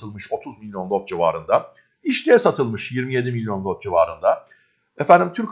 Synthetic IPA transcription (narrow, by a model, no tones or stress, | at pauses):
ɯlˠmɯʃo̞t̪ʰuzmilʲjo̞nlˠot̪̚d͡ʒiva̰ːɾɯnd̪a | iʃlʲijɛsat̪ʰɯlˠmɯʃjiɾmije̞d̪imilʲjo̞nlˠot̪̚d͡ʒivaːɾɯnd̪a | efænd̪ʲimt̪ʰyɾcʰ